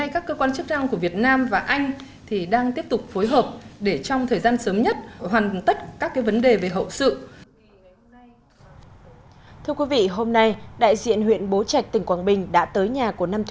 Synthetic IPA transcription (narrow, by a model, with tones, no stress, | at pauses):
a˧jkaː˦˥kːəː˧kwaː˧nt͡ɕɨ˦˥k̚na˧ŋku˧˩əvi˨˩ət̚naː˧mvaː˨˩ʔa˧jŋ̟ | t̪ʰi˨˩ɗaː˧ŋt̪i˦˥əp̚t̪ʊ˨˩k͡p̚fo˨˦jɦəː˨˩p̚ɗe˧˩t͡ɕɔ˧wŋ͡mt̪ʰəː˨˩jzaː˧nsəː˨˦mɲə˦˥t̚ɦhwaː˨˩ŋt̪ə˦˥t̚kaː˦˥kːaː˨˦jvə˨˦nɗe˨˩ve˨˩ɦə̰˧˨wsɨ̰˧˨ | t̪ʰɨ˧əkwi˨˦vḭ˧˨ɦo˧mna˧jɗa̰ː˧˨jzḭ˧˨ənɦwḭ˧˨ənɓo˨˦t͡ɕa˨˩k̚t̪ï˨˩ŋ̟kwaː˧˩nɓï˨˩ŋ̟ɗa̰ː˧˥t̪əː˨˦jɲaː˨˩ku˧˩əna˧mt